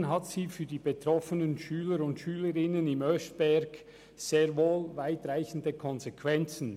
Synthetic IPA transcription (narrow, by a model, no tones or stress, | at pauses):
nɦɑtsiːfyːɐdiːbetɾɔfənənʃyːləɾʊntʃyːləɾɪnənɪmœstb̥ɛɡ̥ | z̥eːɐʁvoːlvaɪtraɪçn̩dəkʰɔnzekʰvɛnt͡sn̩